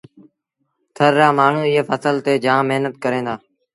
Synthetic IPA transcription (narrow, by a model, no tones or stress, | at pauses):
t̪ʰəɾːaːmaːɳ̤ũːɪɦeːfʰəsəlt̪eːd͡ʒãːməɦnət̪̚kəɾẽːd̪aː